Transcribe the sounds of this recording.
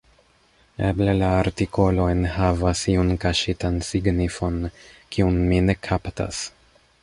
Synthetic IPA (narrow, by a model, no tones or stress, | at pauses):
e̞ble̞laːɾtiko̞lo̞enhavasiunkaʃitansiɡnifo̞nkiunmine̞kʰapta̰s